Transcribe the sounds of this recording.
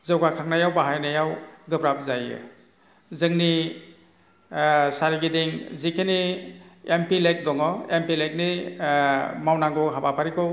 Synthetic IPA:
zɯwɡakʰaŋnajawbaɦajnajawɡɯbɾap̚zajɯ̰ | zɯŋni | saɾiɡideŋzikʰeni | empilejk̚dɔŋɔempilejk̚ni | mawnaŋɡɔɦabapʰaɾikʰɯw

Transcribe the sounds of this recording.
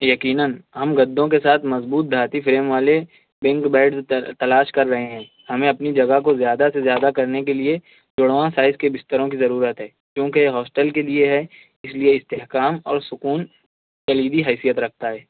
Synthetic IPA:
jɐkiːnənɦɐmɡɐd̪ʱːõkesaːt̪ʰmɐzbuːt̪̚d̪ʱaːt̪ifʰɾeːmʋaːle | bɛ̃ŋkbɛːɖzt̪ɐlaːʃkɐɾːɐɦeɦɛ̃ː | hɐmẽɐpnid͡ʒɐɡəɦkozjaːd̪asezjaːd̪akɐɾnek̬elie | d͡ʒʊɽʋãsaːɪzkebɪst̪əɾõkizɐɾuːɾət̪ɦɛː | kjõːkeɦɔːsʈəlkelieɦɛ | ɪslieɪst̪eːɦkaːmɔ̰ːɾsʊkuːn | kɐliːd̪iɦɛːsijət̪ɾɐk̚ʰt̪aɦɛː

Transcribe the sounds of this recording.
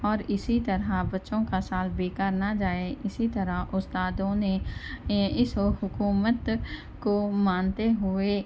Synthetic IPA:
ɔːɾɪsit̪ɐɾabɐtːʃõkasaːlbeːkaːɾnad͡ʒaːeʔɪsit̪ɐɾaʔʊst̪aːd̪õne | ɪshʊkuːmət̪ | komaːnt̪eɦʊeː

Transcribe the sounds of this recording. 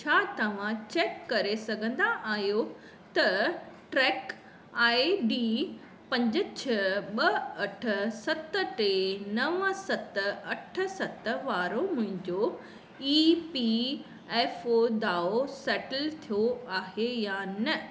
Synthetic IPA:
t͡ɕʰaːt̪ɐʋ̤ãt͡ɕɛːkːɐɾesɐɡʱə̃nd̪aʔaːɦijo | t̪ɐʈɾɛːk | aːiɖiː | pɐ̃ɲd͡ʑət͡ɕʰɐɓɐɐʈʰə̆sɐt̪əʈeːnɐʋəsɐt̪ɐʈʰə̆sɐt̪ʋaːɾomʊ̃ɦɪ̃ɲd͡ʑo | iːpi | ɛːfod̪aːosɛːʈəlt̪ʰijoaːɦejaːnɐ

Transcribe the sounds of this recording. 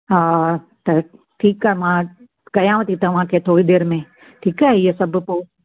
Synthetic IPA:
ɦaː | t̪ɐ | ʈʰiːkamã | kɐjãːʋət̪ʰit̪ɐʋ̤ãkʰet̪ʰoːid̪eːɾmẽ | ʈʰiːkaɦijəsɐbʱpoː

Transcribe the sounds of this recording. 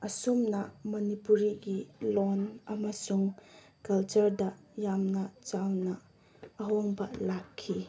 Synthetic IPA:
ɐsumnɐmɐnipuɾiɡilonɐmɐsuŋ | kɐlt͡ʃɐɾdɐ | jamnɐt͡ʃawnɐː | ɦoŋbɐlakʰːi

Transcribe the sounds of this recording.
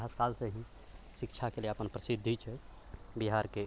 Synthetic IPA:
ɦaskaːlseɦĩ | ʃɪkt͡ʃʰakelieəpənpɾəsɪd̪ʱːit͡ʃʰe | biɦaːɾke

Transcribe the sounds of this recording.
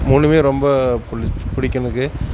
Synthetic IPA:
muːnɖɯmeːɾɔmbɐppɪɽɪkːɐnɐðɯkːɯ

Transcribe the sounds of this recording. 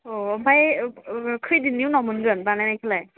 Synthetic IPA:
obʰaj | kʰidiniwnɔmɯnɡɯnbanajnajkʰilaj

